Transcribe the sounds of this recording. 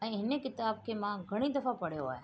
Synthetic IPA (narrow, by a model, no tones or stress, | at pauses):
ɛ̃ɦɪnẽkɪt̪aːb̚kʰemãɡʱɐɽ̃id̪ɐfapɐɽjoa̰ːe